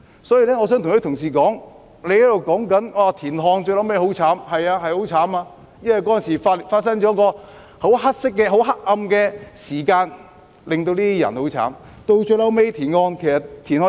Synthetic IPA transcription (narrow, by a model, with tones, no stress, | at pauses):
sɔː˨˥jiː˨˧lɛː˥ŋɔː˨˧s̬œː˨˥ŋt̪ʊ˨˩ŋʰhɵ˨˥t̪ʰʊ˨˩ŋs̬iː˨˩kɔː˨˥ŋ | le˨˧jhɐ˥lo˨˧wkɔː˨˥ŋkɐ˨˥nwaː˧˩t̪ʰiː˨˩nɦɔː˧ŋt͡ʃɵ˧lɐ˨˥wme˧˥ho˨˥wt͡sʰaː˨˥mhɐ˨jaː˧ɦɐ˨jho˨˥wt͡sʰaː˨˥maː˧ | jɐ˥nhɐ˨jkɔː˨˥jɐ˨ns̬iː˨˩fa˧˨faː˧t̚sɐ˥ŋt͡ʃɔ˨˥kɔː˧ | ho˨˥wɦɐ˥t̚sɪ˥kːɛː˧ɦo˨˥wɦɐ˥k̚ʔɐ˧mkɛː˧siː˨˩kaː˧n | lɪ˨ŋt̪o˧wt̪iː˥i˥jɐ̰˨˩nho˨˥wt͡sʰa̰ː˨˥m | t̪o˧wt͡ʃɵ˧lɐ˨˥wme˥jt̪ʰiː˨˩nŋɔː˧nkʰe˨˩jsɐ˨˩tt̪ʰːi˨˩nhɔː˧˥